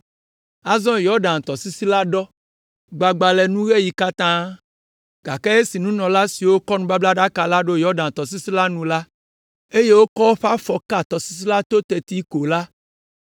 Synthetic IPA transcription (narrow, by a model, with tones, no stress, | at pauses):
a˦zɔ̃˦jɔ˦ɾɖã˨n˨t̪ɔ˨si˦si˦la˦ɖɔ˦ | ɡ͡ba˨ɡ͡ba˨lɛ˨nũ˦ɣe˦ji˨ka˦t̪ã˦ | ɡ̥a˨kɛ˦e˦si˨nũ˦nɔ̃˨la˦si˨wo˦kɔ˦nũ˦ba˦bla˦ɖa˦ka˨la˦ɖo˦jɔ˦ɖã˨n˨t̪ɔ˨s̬i˦si˦la˦nũ˨la˦ | e˦je˦wo˦kɔ˦wɸa˦fɔ˨ka˦˨t̪ɔ˨si̥˦s̬i˦la˦t̪o˦t̪e˨t̪i˦ko˨la˦